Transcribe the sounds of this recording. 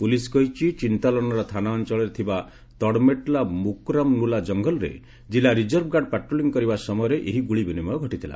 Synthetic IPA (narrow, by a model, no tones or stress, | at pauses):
puliskɔɦit͡ʃit͡ʃint̪alɔnɔɾɔt̪ʰanaɔnt͡ʃɔlɔɾet̪ʰiba | t̪ɔɽmeʈlamukɾamnulad͡ʒɔŋɡɔlɔɾḛ | d͡ʒilaɾid͡ʒɔɾb̚ʰɡaɖpaʈɾoliŋɔkɔɾibasɔmɔjɔɾeʔeɦiɡuɭibinimɔɔɡʱɔʈit̪ʰila̰